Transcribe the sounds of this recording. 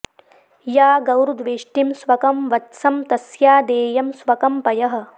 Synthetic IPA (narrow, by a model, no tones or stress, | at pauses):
jaːɡɐwɾud̪ʋeːʂʈimsʋɐkɐmʋɐtsɐmt̪ɐsjaːd̪eːjɐmsʋɐkɐmpɐjɐɦɐ̆